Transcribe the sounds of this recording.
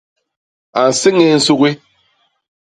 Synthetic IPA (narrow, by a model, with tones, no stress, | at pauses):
a˨n̩˨si˦ŋi˨˦n̩˦su˦ɣi˦